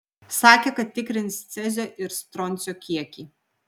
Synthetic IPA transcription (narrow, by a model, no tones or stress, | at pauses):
sɑːkʲekɐt̪ːʲɪkɾʲɪnst̪sʲɛzʲoːʔɪɾst̪ɾɔnʲˑt̪sʲoːkʲiɛkʲiːˑ